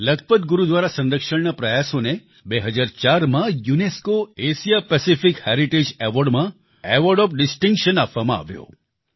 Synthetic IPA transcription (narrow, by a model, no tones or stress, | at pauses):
ləkʰpət̪̚ɡuɾud̪ʋaɾasə̃nd̪əkʃəɳnapɾəjasone | beɦəd͡ʒaɾt͡ʃaɾmãjuneskoeʃijapɛsifikhɛɾiʈed͡ʒeʋɔɾɖmã | eʋɔɾɖɔpɖɪsʈĩŋkʃənapʋamãa̰ʋjo̰